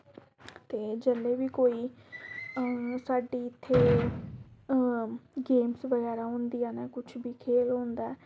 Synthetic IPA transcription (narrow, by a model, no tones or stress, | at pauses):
t̪eːd͡ʒɛleːʋiːkoːiː | saːɖiːɪt̪ʰːeː | ɡeːmsʋəɡɛːɾaːɦʊ̃nd̪ijaːneːkʊt͡ʃʰbiːkʰeːlɦõːnd̪aɛː